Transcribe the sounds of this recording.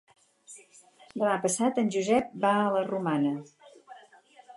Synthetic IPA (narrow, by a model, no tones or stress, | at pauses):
d̪əmapəsat̪ənʲd͡ʒuzɛp̚baələrumanə